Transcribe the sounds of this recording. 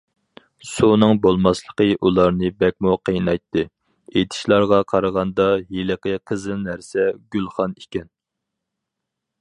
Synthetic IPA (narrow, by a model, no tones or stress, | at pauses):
sunɨŋbolˠmɑslˠəqʰəʔulˠɑɾnɨbɛk̚ʲmuqʰəjnɑjt̪ʰːɨ | et̪ʰɪ̥ʃlˠɑɾʁɑqʰɑɾəʁɑnd̪ɑjeləqəqʰəzɨlnæɾsɛɡʲylˠχɑnekʲɛn